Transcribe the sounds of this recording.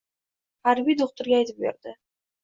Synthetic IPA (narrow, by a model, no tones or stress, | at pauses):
haɾbijd̪oχt̪ʊɾɡʲaːjt̪ʰɪp̚bḛɾd̪ɪ